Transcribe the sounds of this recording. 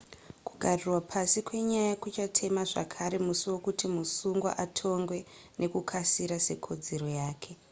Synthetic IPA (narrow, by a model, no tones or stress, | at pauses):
kuɡʱarirwapʰasikwe̞ɲajakut͡ʃatʰe̞maʐa̰kʰaɾe̞musiwo̞kutimusuŋɡwa̰ʔatʰo̞ŋɡwe̞nʔe̞kukʰasiɾase̞̰kʰo̞d͡ze̞ɾo̞jaːkʰe̞